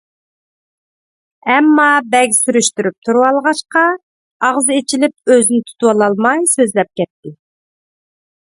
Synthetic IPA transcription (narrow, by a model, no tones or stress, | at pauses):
ɛmːɑbɛɡʲsyɾyʃt̪yɾyp̚t̪ʰuɾwɑlˠʁɑʃqɑ | ɑʁzɨet͡ʃʰilɪp̚øzynɪt̪ʰu̥t̪ʰuwɑlˠɑlˠmɑjsøzlɛp̚kʲɛt̪ʰːɪ